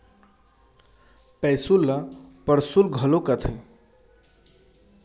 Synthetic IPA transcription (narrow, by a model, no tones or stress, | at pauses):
pɛjsulːəpəɾsulɡʱəlokət̪ʰə